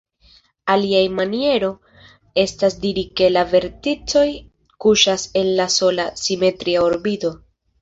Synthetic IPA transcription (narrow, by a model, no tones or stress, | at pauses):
aliajmanie̞ɾo̞ | e̞stasdiɾike̞lave̞ɾtit͡so̞j | kuʃase̞nlaso̞lasime̞tɾiaoɾbido̞